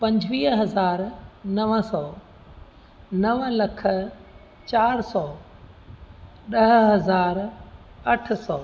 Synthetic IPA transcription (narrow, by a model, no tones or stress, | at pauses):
pɐ̃ɲd͡ʑʱʋiːɦɦɐzaːɾnɐʋəsɔː | nɐʋlɐkʰə̆ | t͡ɕaːɾsɔː | ɗɐɦɦɐzaːɾ | ɐʈʰsɔː